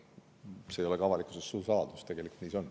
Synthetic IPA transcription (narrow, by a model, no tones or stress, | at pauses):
seːjo̞le̞kɑvɑlikˑusesːuːsɑːd̪̥ust̪e̞ɡ̥e̞liku̥t̪niːso̞n